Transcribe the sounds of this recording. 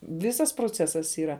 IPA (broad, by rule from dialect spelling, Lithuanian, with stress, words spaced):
ˈʋʲɪsɐs proːˈt͡sʲæːsɐs iːˈrɐ